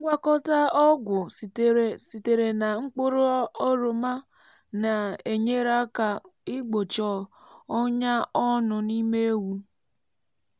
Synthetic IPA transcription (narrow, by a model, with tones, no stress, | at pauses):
ɡʷa˦kɔ˦ta˦ɔ˦ɡʷʊ˨si˨te˨ɾe˨na˨ŋ͡m̩˦k͡po˦ɾo˦ɔ˦ɾo˨ma˦ | na˨e˨ɲe˦ɾa˦ka˨ɪ˦ɡ͡bo˨t͡ʃɔ˨ | ɔ˦ɲa˦ɔ˦nʊ˨ni˦me˦e˦wu˦